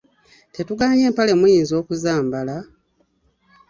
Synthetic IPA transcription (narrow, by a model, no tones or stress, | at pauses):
te̞tuɡaːɲe̞ːmpale̞mujiːnzo̞ːkuzaːmbala